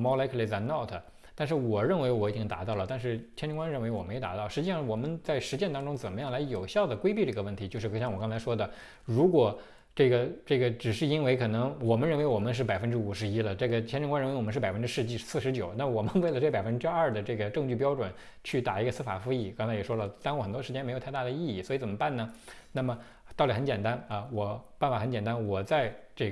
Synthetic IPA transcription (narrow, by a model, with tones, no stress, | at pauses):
mɑ˥ʊla˧˥ɪkʰə˥˩le˥˩t͡sa˧˥nɑ˥˩ʊt̪ʰə˩ | t̪a˥˧nʂ̬ɻ̩˥˩wɔ˨˩ɻə˥˩nwe˧˥ɪwɔ˧˥i˨˩t͡ɕi˥ŋt̪a̰˧˥t̪ɑ˥˩ʊlə˩t̪a˥˧nʂɻ̩˥˩t͡ɕʰjɛ˥nʈ͡ʂɤ˥˧ŋkwa˥nɻə˥˩nwɪwɔ˨˩me˧˥˧t̪a˧˥t̪ɑ˥˩ʊʂɻ̩˧˥t͡ɕi˥˧ʂɑ˥˩ŋwɔ˨˩mə˦nt͡sa˥˩ɪʂɻ̩˧˥t͡ɕjɛ˥˧nt̪ɑ˥ŋʈ͡ʂʊ˥ŋt͡sə˨˩nmə˦jɑ˥˩ŋla˧˥ɪjo˨˩ʊɕjɑ˥˩ʊd̪ə˩kwe˥ɪpi˥˧ʈ͡ʂɤ˥˩ɡə˧wə˥˩nt̪ʰi˧˥t͡ɕjo˧ʂɻ̩˥˧˩ɕjɑ˥˩ŋwɔ˨˩kɑ˥t͡sʰa˧˥ɪʂwɔ˥d̪ə˨ | ɻu˧˥kwɔ˨˩ | ʈ͡ʂɤ˥˩ɡə˩ʈ͡ʂɤ˥˩ɡə˩ʈ͡ʂɻ̩˨˩ʂɻ̩˥˩i˥nwe˧˥ɪkʰɤ˨˩nɤ˧˥ŋwɔ˨˩mə˦nɻə˥˩nwe˧˥ɪwɔ˨˩mə˦nʂ̬ɻ̩˥˩pa˨˩ɪfə˥nʈ͡ʂɻ̩˥u˨˩ʂɻ̩˧˥i˥lə˨ʈ͡ʂɤ˥˩ɡə˩t͡ɕʰɛ˥nʈ͡ʂŋka˥n˧˥˧wɔ˨˩mə˦ʂɻpa˨˩ɪfə˥nʈ͡ʂɻ̩˥ʂɻ̩˥˧t͡ɕi˥˩sɹ̩˥˩ʂɻt͡ɕjo˨˩˦ʊna˥˩mə˩wɔ˨˩mə˦nwe˥˩ɪlə˩ʈ͡ʂɤ˥˩pa˨˩ɪfə˥n˥ʈ͡ʂɻ̩˥ɐ˥˩d̪ə˩ʈ͡ʂɤ˥˩ɡə˩ʈ͡ʂɤ˥˧ŋt͡ɕy˥˩pjɑ˥ʊʈ͡ʂwə˨˩n | t͡ɕʰy˥˩t̪a˨˩i˧˥ɡə˧sɹ̩˥fa̰˨˩fu˧˥i˥˩kɑ˥ŋt͡sʰa˥ɪjɛ˨˩ʂwɔ˥lə˨t̪ɑ˥ŋwxə˨˩nt̪wɔ˥ʂɻ̩˧˥t͡ɕjɛ˥ne˧˥ɪo˨˩˥t̪a˥˩d̪ə˩i˥˧i˥˩swɔ˧˥i˧˥t͡sə˨˩mə˦pa˥˩nnə˩na˥˩mə˩ | t̪ɑ˥˩li˨˩xə˧˥nt͡ɕjɛ˨˩nt̪a˥nɐ˧wɔ˨˩pa˥˩nfa˨˩xə˧˥nt͡ɕjɛ˨˩nt̪a˥nwɔ˨˩t͡sa˥˧ɪʈ͡ʂɤ˥˩